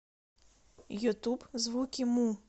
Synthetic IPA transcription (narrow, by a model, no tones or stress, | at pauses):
jut̪ubzʋukʲimu